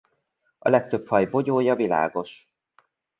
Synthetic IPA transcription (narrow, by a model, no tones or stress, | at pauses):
ɒ̰lɛk̚t̪ø̞phɒjbo̞ɟoːjɒvila̰ːɡo̞ʃ